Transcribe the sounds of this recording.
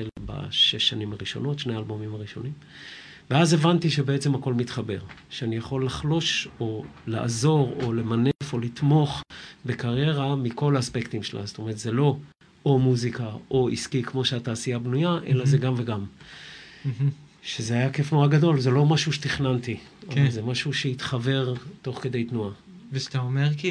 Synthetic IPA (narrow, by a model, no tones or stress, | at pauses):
elba̰ʃe̞ʃːanimaʁiʃo̞̰no̞tʃnealbo̞mimaʁiʃo̞̰nim | veaze̞vant̪iʃe̞beet͡se̞mhako̞lmit̪χabe̞̰ʁʃeanijaχo̞lːaχlo̞ʃo̞la̰ʔːzo̞ʁo̞le̞mane̞fo̞lit̪mo̞χbekaʁje̞ʁamiko̞laːspekt̪imʃela̰sto̞meʁet̪ze̞lo̞ | omuzikao̞ḭskikmo̞ʃeataːsiabnujaʔe̞̰lazeɡamveɡam | ʃezeajake̞fnuaɡado̞lze̞lo̞maʃuʃet̪iχnanti | oezemaʃuʃeit̪χave̞ʁt̪o̞χke̞d̪e̞jt̪nua | vet̪aomeʁki